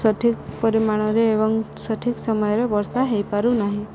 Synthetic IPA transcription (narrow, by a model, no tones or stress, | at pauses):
sɔʈʰik̚pɔɾimaɽ̃ɔɾeːbɔŋsɔʈʰiksɔmɔjɔɾebɔɾsaɦejpaɾunaɦĩ